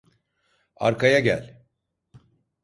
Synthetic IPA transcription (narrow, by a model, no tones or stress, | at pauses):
a̰ɾkʰajaɟæ̰lʲ